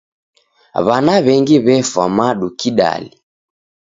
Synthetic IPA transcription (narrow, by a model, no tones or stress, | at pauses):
βanaβɛŋɡiβɛfamaɗukiɗa̰li